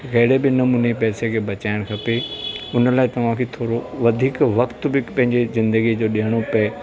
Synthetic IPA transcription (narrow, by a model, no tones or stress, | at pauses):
ɡɐɦɪɽebɪnɐmuːnepɛːsekʰeːbɐt͡ɕaːɪɽ̃kʰɐpeʊnəlaːɪt̪ɐʋ̤ãkʰet̪ʰoːɾoʋɐd̪ʱiːkʋɐkt̪bɪpɐ̃ɦɪ̃ɲd͡ʑezɪ̃nd̪əɡid͡ʑoːɗiɦəɽ̃opeː